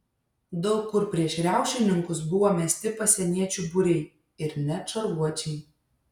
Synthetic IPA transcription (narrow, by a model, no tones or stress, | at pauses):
d̪ɔʊkːʊɾpʲɾʲiɛʃɾʲæˑʊʃʲɪnʲɪŋkʊs̬bʊʋoːmʲɛsʲt̪ʲɪpɐsʲɛnʲiɛt͡ʃʲubʊɾʲɛɪ | ɪɾnʲɛt͡ʃɐɾʋuɔt͡ʃʲɛɪ